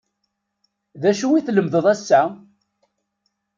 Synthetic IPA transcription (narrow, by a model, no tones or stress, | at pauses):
ðæʃuwiθləmðəðˤæsːæ